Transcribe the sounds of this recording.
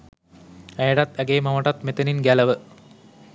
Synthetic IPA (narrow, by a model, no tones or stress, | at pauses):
æjəɖat̪æɡeːmɐʋəʈat̪met̪əninɡæləʋə